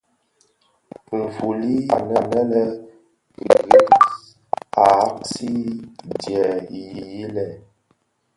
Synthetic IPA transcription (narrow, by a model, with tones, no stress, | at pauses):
m̩˨fu˨li˦a˨nə˨nə˦lə˦ | ɣ | a˨˦ksi˦djɛ˨ji˨ji˦lɛ˨